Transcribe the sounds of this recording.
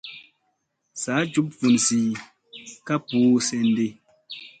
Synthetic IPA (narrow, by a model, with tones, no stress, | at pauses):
sa˨˦d͡ʒu˦p̚fu˨nsi˨ | ka˦puː˨˦sɛ˦˨n˦de˦˨